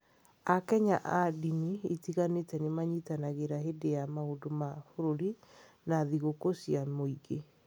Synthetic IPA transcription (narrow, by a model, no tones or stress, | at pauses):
akɛɲaʔadinietiɣanetɛnemaɲitanaɣeɾaɦedejamaodomafoɾoɾi | naðiɣokosiamoiɡe